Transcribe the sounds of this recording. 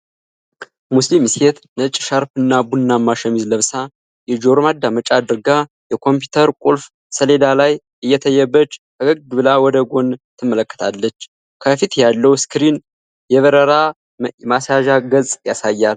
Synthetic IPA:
muslimset̪nət͡ʃʼːʃaɾpɨnːabunːamːaʃəmizləβsa | jɛd͡ʒo̞ɾmad̪amət͡ʃʼad̪ɨɾɨɡa | jɛkʰo̞mp̬jut̪ʰəɾkʼulf | səle̞d̪alaj | ʔɨjːɛt̪ʰəjːɛbːət͡ʃːbəɡɨɡɡɨβɨlawɔd̪əɡo̞nt̪ʰɨmːələkːə̥t̪ʰalːət͡ʃː | kʰəfit̪jalːəwskɾin | jɛβəɾəɾa | masaʒaɡəzʼjasajːal

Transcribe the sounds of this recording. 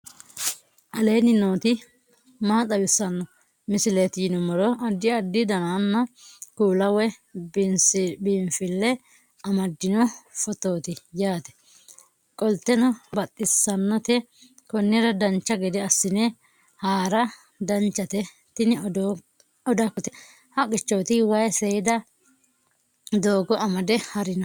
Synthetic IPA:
ʔɐle̞ːnɪno̞ːt̪ɪ | maːt̪ʼɐwɪsːɐnːɔ | mɪsɪlet̪ɪjɪnʊmɔɾɔʔɐd̪ːɪɐd̪ːɪd̪ɐnaːnːɐkuːlɐwɛnsbiːmfɪlːɛ | ɐmɐd̪ːɪnɔfɔt̪o̞ːt̪ɪjaːt̪ɛ̥ | kʼɔlt̪ːɛnɔbɐt̪ʼːɪsːɐnːɔt̪ɛ | kɔnːɪɾɐd̪ɐnt͡ʃːɐɡɪd̪ɪɐsːɪnɛ | haːɾɐ | d̪ɐnt͡ʃːɐt̪ɛ | t̪ɪnɪ | ɔd̪akɔt̪ɪ | hɐkʼːɪt͡ʃːɔwt̪ɪwɐjsɛjɪd̪ɐ | d̪oːɡɔʔɐmɐd̪ɛhɐɾɪnɔ

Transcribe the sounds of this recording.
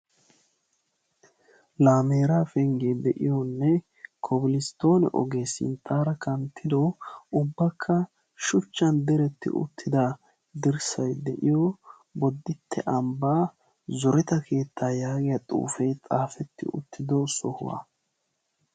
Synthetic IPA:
laːmeːɾaːfɛŋɡed̪ɛʔɪ̰jɔnːɛ | kʰɔbɪlɪst̪o̞ːnɛ̰ʔɔ̰ɡe̞ːsɪ̰nt̪ʼːaːɾɐkɐnt̪ʰːɪd̪oʊbːɐkʰːɐ | ʃʊt͡ʃːɐnd̪ɛɾɛt̪ːɪ̰ʔʊ̰t̪ʰːɪd̪aː | d̪ɪɾsɐjd̪ɛʔɪjo | bɔd̪ːɪt̪ʰːɛ̰ʔɐmbaː | zɔɾɛt̪ɐkʰe̞ːt̪ːaːjaːɡɪjɐt̪ʼṵːfɛjt͡sʼaːfɛt̪ːɪ̰ʔʊ̰t̪ʰːɪd̪osɔhʊ̰wɐ̰

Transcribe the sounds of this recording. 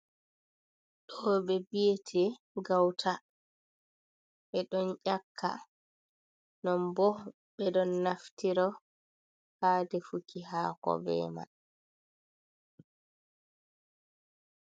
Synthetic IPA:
ɗɔbɛbijetʰɛ | ɡawtʰa | ɓɛɗɔnʔakʰːa̰ | nɔmbɔ | ɓɛɗɔnːaftiɾɔ | haːdɛfukiɦaːkɔ̰bɛ̰ːma̰

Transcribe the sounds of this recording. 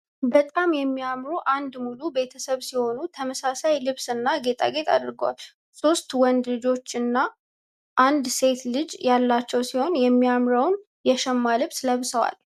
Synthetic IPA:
bət̪ʼamjɛmːijamɾuʔand̪mulube̞t̪ʰəsəβsiho̞nut̪ʰəməsasajlɨβsɨnːaɡe̞t̪ʼa̰ɡe̞t̪ʰa̰d̪ɾɡəwa̰l | so̞st̪wɔnd̪lɨd͡ʒo̞t͡ʃːɨnːa | ʔand̪se̞t̪lɨd͡ʒjalːat͡ʃːɛwsiho̞njɛmːiamɾəwn | jɛʃɛmːalɨβsləβsəwa̰l

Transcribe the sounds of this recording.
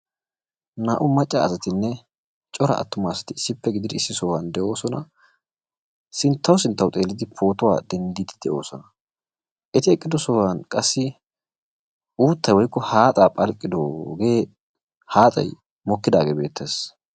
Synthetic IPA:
naːʔʊmɐt͡ʃʼːaɐsɐt̪ɪnːɛ | t͡ʃʼɔɾɐ̰ʔɐ̰t̪ːʊmaːsɐ̥t̪ɪɪsːɪpːɛɡɪd̪ɪd̪ɪɪsːɪsɔwand̪ɛʔo̞ːsɔnɐ | sɪnt̪ʰːɐwsɪnt̪ːɐwt̪ʼe̞ːlːɪd̪ɪpʰo̞ːt̪ɔwa̰ːd̪ɛnd̪iːd̪ɪd̪̥ɛʔo̞̰ːsɔnɐ | ʔɛt̪ɪɛkʼːɪd̪ɔsɔwankʼɐsːɪ | ʔuːt̪ːɐjwɔjkːɔhaːt̪ʼaːpʼɐlkʼːɪd̪oɡeː | haːt̪ʼɐ̰j | mɔkːɪd̪aːɡeːbe̞ːt̪ːeːs

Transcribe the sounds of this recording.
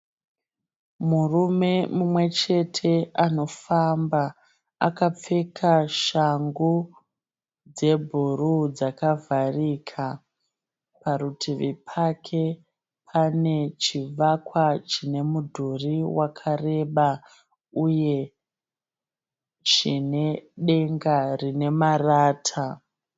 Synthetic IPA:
murume̞mumwe̞t͡ʃe̞tʰe̞ano̞famba | a̰kap͡fe̞kʰaʃaŋɡu | d͡ze̞bʱurud͡zakavʱarikʰa | paɾutʰiʋipʰakʰe̞ | pʰane̞t͡ʃiʋakwat͡ʃine̞mudʱuriwakʰare̞ɓa | uje̞ | t͡ʃine̞ɗe̞ŋɡarine̞maraːtʰa

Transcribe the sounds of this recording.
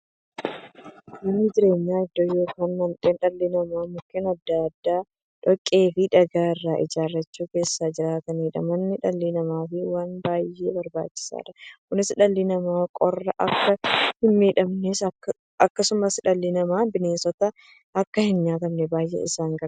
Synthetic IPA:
mɐnːɪd͡ʒɪɾe̞ːɲːaːɪd̪ːojoːkɐnːɐnt̪ʼenᶑɐlːɪnɐmaːmʊkːɪnɐd̪ːaɐd̪ːaː | ᶑɔkʼːe̞ːfɪᶑɐɡaːɪrːaːʔɪ̰d͡ʒaːrːɐt͡ʃːuːke̞ːsːaːd͡ʒɪɾaːt̪ɐniːᶑɐ̰mɐnːɪᶑɐlːɪnɐmaːfɪwaːnbaːjːe̞̰ːbɐɾba̰ːt͡ʃːɪ̥sa̰ːᶑɐkʊnɪsᶑɐlːɪnɐmaːkʼɔrːɐʔɐkːɐhɪnmeːᶑɐmneːs | ɐkːɐsʊmɐsᶑɐlːɪnɐmaːbɪneːsɔt̪ɐ | ɐkːɐhɪnɲaːt̪ɐmnɛbaːjʔḛːɪsaːŋɡɐ

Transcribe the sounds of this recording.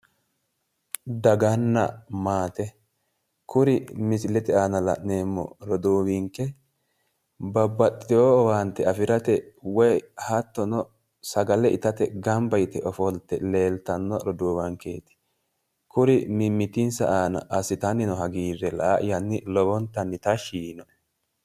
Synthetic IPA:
d̪ɐɡɐnːɐ̰maːt̪ɛ | kʊɾɪmɪsɪlɛt̪ɛaːnɐlɐ̰ʔne̞ːmːɔ̰ɾɔd̪uːwiŋkɛ | bɐbːɐt̪ːɪɪowaːnt̪ɛɐfɪɾɐt̪ɛwɔjhɐt̪ːɔnɔ | sɐɡɐlɛʔɪt̪ɐt̪ɛɡɐmbɐjɪt̪ɛʔɔfɔlt̪ːɛle̞ːlt̪ɐnːɔɾɔd̪uːβɐŋke̞ːt̪ɪ̥ | kʊɾɪmɪmːɪt̪ɪnsɐ̰ʔaːnɐ̰ʔɐsɪt̪ɐnːɪnɔɦɐɡiːrːɛlɐʔaʔɪjɐnːɪlɔbɔnt̪ɐnːɪt̪ɐʃiːnɔ

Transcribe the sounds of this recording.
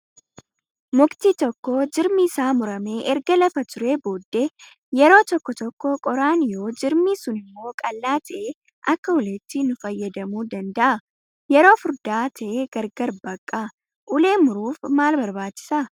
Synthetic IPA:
mʊkt̪iːt̪ɔkːod͡ʒɪɾmɪːsaːmʊɾɐme̞ːʔɛɾɡɐlɐfɐt̪ʊɾe̞ːbo̞ːd̪ːe̞ː | jɛɾo̞ːt̪ɔkːɔt̪ɔkːɔkʼɔɾaːnɪjo̞ːd͡ʒɪɾmiːsʊnɪmːo̞ːkʼɐlːaːt̪ʰɐʔeː | ʔɐkːɐʊleːt̪ːɪnʊfɐjːɐd̪ɐmuːd̪ɐnd̪ɐʔɐ | jɛɾo̞ːfʊɾd̪aːt̪ʰɐʔeːɡ̥ɐɾɡɐɾbɐkʼːa | ʔʊle̞ːmʊɾuːfmaːlbɐɾbaːt͡ʃːɪ̥sa

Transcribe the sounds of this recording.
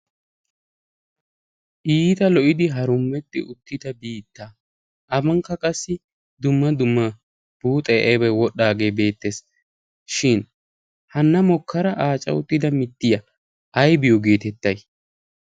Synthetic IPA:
ʔiːt̪ɐlɔʔɪd̪ɪɦɐɾʊmːɛt̪ːɪ̰ʔʊt̪ːɪd̪ɐbiːt̪ːaː | ʔɐbɐŋkːɐkʼɐsːɪ | d̪ʊmːɐd̪ʊmːɐ | b̥uːt̪ʼɛjʔɛbɐwɔɗːaːɡe̞ːbe̞ːt̪ːe̞s | ʃɪn | hɐnːɐmɔkʰːɐɾɐʔaːt͡ʃʼɐ̰ʊt̪ːɪd̪ɐmɪt̪ːɪjɐ | ʔɐjbɪjɔɡe̞ːt̪ɛt̪ːɐj

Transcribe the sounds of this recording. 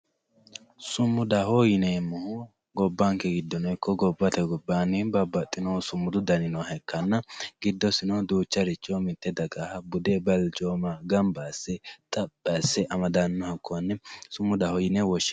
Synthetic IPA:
sʊmːʊd̪ɐhɔjɪnemːʊhʊ | ɡɔbːaŋkːɛɡɪd̪ːɔnɔjkːɔɡɔbːɐt̪ɛɡɔbːaːnɪbɐbːɐt̪ʼːɪnɔsʊmːʊd̪ʊd̪ɐnɪnɔɦɛkːɐnːɐɡɪd̪ːɔsɪnɔd̪uːt͡ʃːɐɾɪt͡ʃːɔmɪt̪ːɛd̪ɐɡahɐbʊd̪ɛbɐld͡ʒoːmaɡɐmbaːsːɛt̪ʼɐpʼːasːɛʔɐmɐd̪anːɔhɐkːɔɐnːɛsʊmːʊd̪ɐhɔjɪnɛwɔʃːɪ̥

